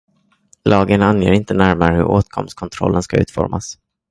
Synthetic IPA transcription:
lɑːɡənanjeːɾɪnt̪ənæɾmaɾəhɵɾoːt̪kʰɔ̰mst̪kʰɔnt̪ʰɾɔ̰lːənskaʉ̟ːt̪fɔɾmas

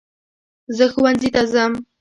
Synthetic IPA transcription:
zəxʊwanzit̪azam

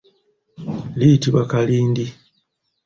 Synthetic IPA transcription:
lijitiβakaliːndi

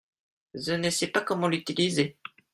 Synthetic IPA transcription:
ʒənəsɛpakɔmɑ̃lyt̪ilize

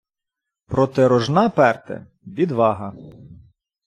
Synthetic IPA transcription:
pɾɔt̪eɾɔʒnɑpɛrt̪ɛ̰ | ʋʲid̪ʋɑɦɐ

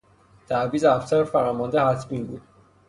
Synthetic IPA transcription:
t̪ʰæviːzæfsæɾfæɾɒːmɒnd̪ehæt̪ʰbiːnbuːd̪̥

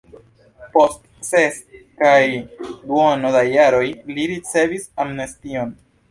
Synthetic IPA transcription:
po̞st | seskajduonodajaɾo̞jliɾit͡se̞visamnestio̞n

